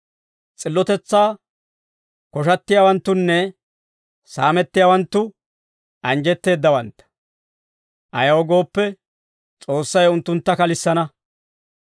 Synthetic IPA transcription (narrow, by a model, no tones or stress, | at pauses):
t͡sʼɪlːɔt̪ɛt͡sːaː | kɔʃɐt̪ːɪjaːwɐnt̪ːʊnːɛ | saːmɛt̪ːɪjaːwɐnt̪ːʊ | ʔɐnd͡ʒɛt̪ːe̞ːd̪ːɐwɐnt̪ːɐ̥ | ʔɐjɐwɔɡo̞ːpːɛ | t͡sʼo̞ːsːɐjʊnt̪ːʊnt̪ːɐkɐlɪsːɐnɐ